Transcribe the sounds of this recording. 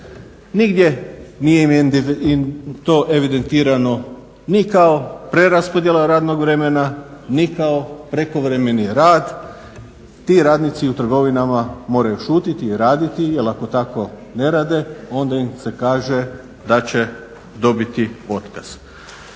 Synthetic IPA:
niɡd̪je̞nijeimit̪o̞ʔe̞ʋid̪e̞nt̪iːɾano̞ | nikaopɾe̞ɾaspod̪jelaɾaːd̪no̞ɡʋɾe̞me̞nanikaopɾe̞ko̞ʋɾe̞me̞niɾaːd̪ | t̪iɾaːd̪nit̪siut̪r̩ɡo̞ʋinamamo̞ːɾajuʃuːt̪it̪iːɾaːd̪it̪ijelako̞t̪ako̞ | ne̞ɾaːd̪e̞o̞nd̪aimse̞kaːʒe̞ | d̪at͡ɕe̞ | d̪o̞bit̪io̞t̪kaz̥

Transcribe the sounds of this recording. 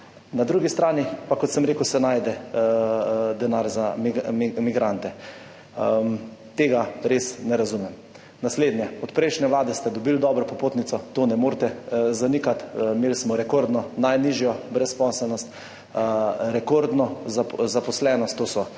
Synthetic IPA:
nad̪ɾuːɡist̪ɾaːnipakɔt̪sɛmɾeːkəwsɛnaːjd̪ɛ | d̪ɛnaːɾza | miɡɾant̪ɛ | t̪eːɡaɾesnɛɾazumɛm | nasleːd̪njɛɔt̪pɾɛjʃnɛʋlaːd̪ɛst̪ɛd̪ɔbild̪ɔːbɾɔpɔpoːt̪nit̪sɔt̪oːnɛmoːɾt̪ɛzanikat̪meːlsmɔɾɛkoɾd̪nɔnajniʒjɔbɾɛspɔsɛlnɔst̪ | ɾɛkoɾd̪nɔzazapɔslɛnɔst̪ːoːsɔ

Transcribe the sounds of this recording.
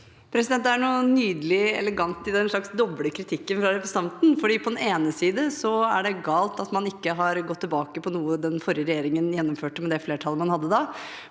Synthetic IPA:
pʰɾɛsɪd̪ɛnt̪ːæɳuːnyːd̪əlɪɛ̰ləɡɑnt̪ːɪd̪ɛnʂɭɑksd̪ɔbləkʰɾɪt̪ʰɪkːənfɾɑɾɛpɾəsɑnt̪n̩fɔɖiːpʰɔd̪ɛneːnəsiːd̪əsɔæɖɛɡɑːlt̪ɑt̪mɑnɪkːəɦɑɾɡɔt̪ːɪlbɑːkəpʰɔnuːəd̪ɛnfɔɾɪəɾɛjeːɾɪŋənjɛnːɔmføːʈəmɛd̪ɛfleːʈʰɑləmɑnhɑd̪ːəd̪ɑ

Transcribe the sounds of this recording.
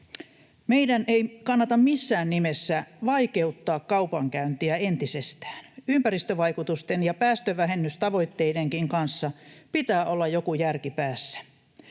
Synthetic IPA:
meidæneikɑnːɑt̪ɑmmisːæːnnimesːæʋɑikeut̪ːɑːkkɑupɑŋkæynt̪iæent̪isest̪æ̥ːnympærist̪øʋɑikut̪ust̪enjɑpæːst̪øʋæɦenːyst̪ɑʋo̞it̪ːeideŋkiŋkɑnsːɑpit̪æːʔolːɑjjokujærkipæːsːæ̥

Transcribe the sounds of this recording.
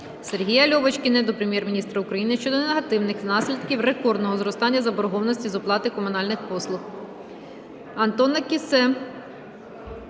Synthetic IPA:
serɦʲijɐlʲɔʋɐt͡ʃkʲinɛd̪ɔpɾemjɛrmʲinʲist̪ɾɐʊkɾɐjinɪʃt͡ʃɔd̪ɔneɦɐt̪ɪwnɪxnɑsʲlʲid̪kʲiwre̞kɔrd̪nɔɦɔzɾɔst̪ɑnʲːɐzɐbɔɾɔɦɔʋnɔsʲtʲizʊplˠɑt̪ɪkɔmʊnɑlʲnɪxpɔslˠʊx | ɐnt̪ɔnɐkʲisɛ

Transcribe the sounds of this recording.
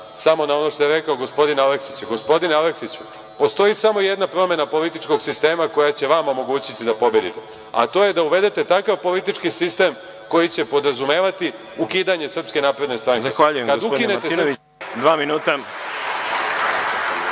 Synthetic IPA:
samo̞nao̞no̞ʃt̪o̞je̞ɾekao̞ɡo̞spo̞d̪inaleksit͡ɕeɡo̞spo̞d̪inale̞ksit͡ɕu | po̞st̪o̞isamo̞ije̞d̪napɾo̞me̞napo̞lit̪it͡ʃko̞ɡsist̪e̞ːmako̞jat͡ɕe̞ʋamo̞mo̞ɡuːt͡ɕit̪id̪apo̞bje̞d̪it̪e̞ | a̰t̪o̞je̞d̪auʋe̞d̪e̞t̪e̞t̪akaʋpo̞lit̪it͡ʃkisist̪e̞m | ko̞jit͡ɕe̞po̞d̪ɾazume̞ːʋat̪i | ukiːd̪aɲe̞sr̩pske̞naːpɾe̞d̪ne̞st̪ɾaŋkzaexʋaʎujekad̪uoinnet̪esi | d̪ʋaːminuːt̪a

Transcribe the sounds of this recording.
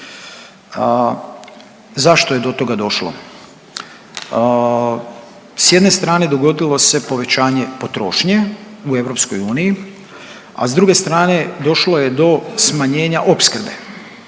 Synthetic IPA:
zaʃt̪oje̞d̪o̞t̪o̞ɡad̪o̞ʃlo̞̰ | sje̞d̪ne̞st̪ɾaːne̞d̪o̞ɡo̞d̪ilˠo̞se̞po̞ʋe̞t͡ɕaːɲe̞po̞t̪ɾo̞̰ːʃɲeue̞ʋɾo̞pskojuːniji | a̰zd̪ɾuɡe̞st̪ɾaːne̞d̪o̞ʃloje̞d̪o̞smaɲe̞ːɲaʔo̞pskr̩be̞̰

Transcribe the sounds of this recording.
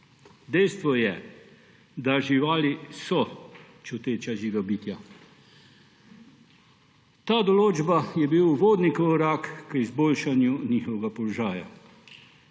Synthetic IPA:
d̪ɛjst̪ʋɔjɛ | d̪aʒiʋaːlisɔ | t͡ʃut̪eːt͡ʃaʒiːʋɛbiːt̪ja | t̪aːd̪ɔloːd͡ʒbajɛbiwuʋoːd̪nikɔɾaːkkəizboːlʃanjuniːxɔʋɛɡapɔlɔʒaːja̰

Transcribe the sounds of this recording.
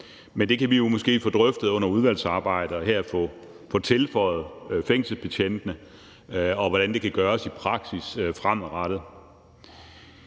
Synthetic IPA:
mend̥e̝kʰæʋijo̝mɒ̽sɡ̥e̝̰ːfɔ̽ːd̥ʁœfd̥ð̩ˠɔ̽n̰ɐuð̞ˠʋæl̰sɑ̈ːb̥ɑ̈ɪ̰d̥əɒ̽hæɐ̰fɔ̰ | fɔ̽t͡sʰe̝lfɒ̽ɪð̩ˠfeŋ̰səpʰæɕʰen̰d̥nə | ɒ̽ʋɒɾ̥ænd̥e̝kʰæɡ̥ɶːɐsipʰʁɑ̈ɡ̥sisfʁam̰ɒʁɑd̥ð̩ˠ

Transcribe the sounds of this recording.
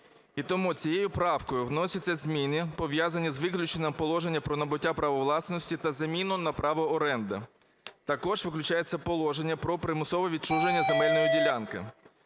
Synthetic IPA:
it̪ɔmut͡sʲijejʊpɾɑwkɔjʊwnɔsʲɐtʲt͡sʲːɐzʲmʲinʲipɔʋjazɐnʲizʋɪklʲʊt͡ʃenʲːɐmpɔlˠɔʒe̞nʲːɐpɾɔnɐbʊtʲːapɾɐʋɔʋlˠɑsnɔsʲtʲit̪ɐzɐmʲinʊnɐpɾɑʋɔɔɾɛnd̪ɪ | t̪ɐkɔʒʋɪklʲʊt͡ʃajet͡sʲːɐpɔlˠɔʒenʲːɐpɾɔpɾɪmʊsɔʋɔʋʲid̪t͡ʃuʒenʲːɐzemɛlʲnɔjidʲilʲankɪ̰

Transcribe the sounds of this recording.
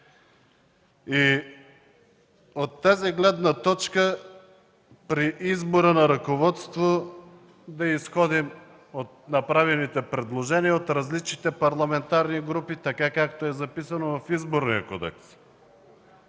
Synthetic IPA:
i | ot̪ːaziɡlɛd̪nat̪ɔt͡ʃkə | pɾiʔizboɾənaɾɐkovɔt̪st̪vo | d̪ɐisxɔd̪im | ot̪̚nɐpɾavɛnit̪ɛpɾɛd̪lˠoʒɛniaot̪ɾazlit͡ʃnit̪ɛpɐɾlˠamɛnt̪aɾniɡɾupit̪akakakt̪oɛzɐpisɐnovɐfizboɾnijə̰kɔd̪ɛ̰ks

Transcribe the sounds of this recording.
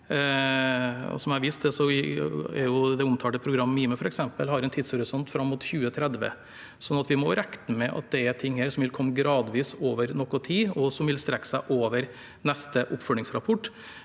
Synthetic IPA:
ɔ̰sɔmæɑɾʋist̪d̪ɛsɔɛɾjʊd̪ɛʊmt̪ʰɑːɖ̪əpʰɾʊɡɾɑmːmiːməfɔɾɛksɛmpəlhɑɾɛnt̪ʰiːd̪shɔɾɪsɔnt̪fɾɑmːʊt̪çʉːət̪ʰɾɛd̪ʋə̰ | sɔnːɑt̪ʋɪmɔɾɛkt̪əmɛʔɑ̰t̪̚d̪ɛæt̪ʰɪŋːheːɾsɔmʋɪlkʰɔmːəɡɾɑːd̪ʋiːsoːʋəɾnɔkːɔt̪ʰiːɔsɔmʋɪlst̪ɾɛkːə̥sæɪʔoːʋəɾ | nɛst̪əʔʊpːfœɭɪŋsɾɑpʰɔʈː

